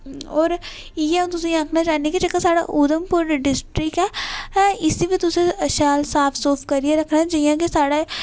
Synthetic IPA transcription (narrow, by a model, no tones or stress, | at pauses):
ɔːɾ | jet̪ʊsĩãːkʰnat͡ʃaːnikid͡ʒəkːasaːɽa̰ʔʊd̪əmpʊɾnɖɪsʈɾɪkɛː | ɪsiʋit̪ʊsẽʃaːlsaːpʰsɔːfkəɾieɾəkʰnad͡ʒijãːkisaːɽa